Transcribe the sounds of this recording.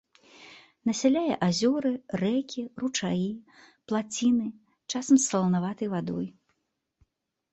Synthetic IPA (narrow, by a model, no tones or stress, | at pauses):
nɐsʲalʲajɛ̰ʔazʲɔɾɨrɛkʲirut͡ʂaji | plˠat͡sʲinɨ | t͡ʂasɐmsːɐlˠɐnavat̪ɐjvad̪ɔ̰j